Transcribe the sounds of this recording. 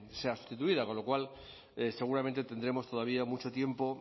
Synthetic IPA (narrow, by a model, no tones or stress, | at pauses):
se̞asu̥st̪it̪uiðako̞lo̞kwal | ese̞ɣ̞uɾamẽ̞nt̪e̞t̪e̞nd̪ɾe̞mo̞st̪o̞ðaβiamut͡ʃo̞t̪je̞mpo̞